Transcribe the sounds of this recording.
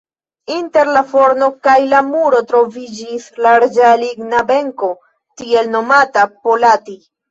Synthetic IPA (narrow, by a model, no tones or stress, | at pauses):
inte̞ɾlafo̞ɾno̞kajlamuɾo̞tɾo̞vid͡ʒislaɾd͡ʒaliɡnabe̞ŋko̞ | tie̞lno̞matapolati